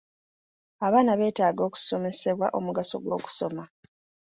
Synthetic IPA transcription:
aβaːnaβe̞ːtaːɡo̞ːku̥so̞me̞se̞βwaʔo̞muɡaso̞̰ɡwo̞ːku̥so̞ma

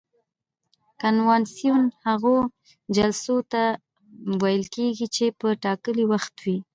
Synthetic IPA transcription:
kanwɑnsijunhaɣo | d͡ʒalsot̪a | wajəlkeɡit͡ʃepəʈɑkəliwaxt̪wi

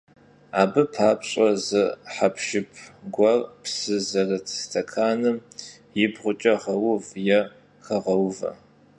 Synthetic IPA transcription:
aːbɨpʰaːpɕʼɐzɨħapʰʃɪpʰɡʷɐrpsɨzɐrɐtʰstʰɐkʰaːnɨm | jɪbʁʷʊt͡ʃʼɐʁɐwʊvjɛ | xɐʁɐwvɐ̰

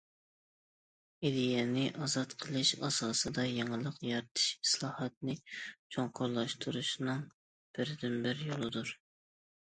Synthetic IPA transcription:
ed̪ijɛnɪʔɑzɑt̪qʰəlˠɨʃɑ̰sɑːsɨd̪ɑjeŋəlˠəqjɑɾt̪ʰɨ̥ʃislˠɑːhɑt̪̚nɨt͡ʃʰoŋqʰʊɾlˠɑʃt̪ʰuɾuʃnɨŋ | b̥ɪɾd̪ɪnbɪɾjolˠɨd̪uɾ

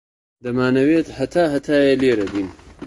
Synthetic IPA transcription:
d̪ɐmaːnɐweːt̪hɐt̪ʰaːɦɐt̪ʰaːjeleːɾɐbin

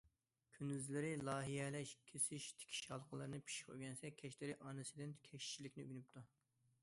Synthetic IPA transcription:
kʲʰynyzlɪɾɪlˠɑːɦijɛlɛʃkʲʰesɪʃt̪ʰɪ̥kʲʰi̥ʃɑlˠqʰəlˠɨɾɨnɨpʰi̥ʃi̥qʰø̰ɡʲɛnsɛkʲʰɛʃlɪɾɪʔɑːnɨsɪd̪ɪnkʲʰɛkt͡ʃʰːilɪkʲnɪy̰ɡʲnyp̚t̪ʰu

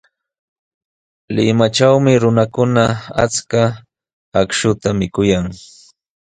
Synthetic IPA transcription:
lɪmat͡ʃawmɪɾʊnakʊnaa̰t͡ska | akʃʊt̪amɪkʊjaŋ

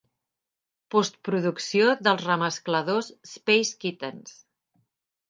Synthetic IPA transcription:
pɔst̪̚pɾuðuksioðəlˠzrəməskləðosːpejskit̪əns

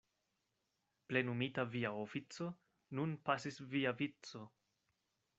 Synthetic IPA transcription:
plenumitaviaofit͡so̞ | nunpasisviavit͡so̞

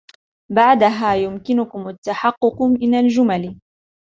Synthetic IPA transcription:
baʕd̪aɦaːjʊmkɪnʊkʊmat̪ːaħɑqːʊqmʔɪnald͡ʒʊmal

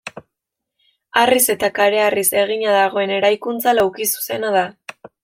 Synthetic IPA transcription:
arise̞t̪akaɾe̞arise̞ɣ̞iɲaðaɣ̞o̞e̞ne̞ɾajkunt͡salawkisu̥se̞naða

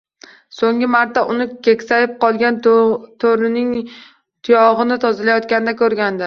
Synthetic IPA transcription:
soŋɡʲɪmaɾt̪ʰːaʔʊnɪkʲʰe̞kʲsajɪp̚qʰɒlˠɡʲant̪ʰoɾɪnɪŋ | t̪ʰʊjɒʁɨnɪt̪ʰɒzɪlajɒt̪̚kʲanɪd̪akʲʰɵɾɡʲand̪ɪ

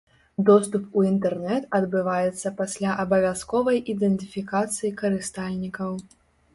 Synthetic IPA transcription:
d̪ɔst̪upuint̪ɛrnɛt̪ɐd̪bɨvajɛt̪sːɐpasʲlʲaʔɐbɐvʲaskɔvɐjʔid̪ɛnt̪ɨfʲikat̪sɨjikɐɾɨst̪alʲnʲikɐw

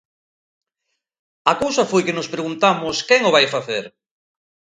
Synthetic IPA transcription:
ɐkowsɐfojkɪnʊspɾeɣunt̪amʊskɛŋʊβajfaθeɾ

